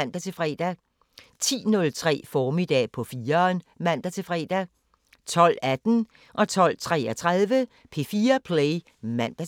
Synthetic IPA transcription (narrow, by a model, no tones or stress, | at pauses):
n̰d̥æt͡sʰe̝fʁɛ̰ːd̥æ | t͡sʰḭːnɔ̽lt͡sʰʁɛ̰ːfɒːmid̥ɛ̰ːpʰɒ̽fiːɐnmæn̰d̥æt͡sʰe̝fʁɛ̰d̥æ | t͡sʰɒ̽l̰æd̥n̩ | ʔɒ̽t͡sʰɒ̽l̰t͡sʰʁɛ̰ːɐt͡sʰʁaðˠʋə | pʰe̝fiːɐpʰleɪ | mæn̰d̥æ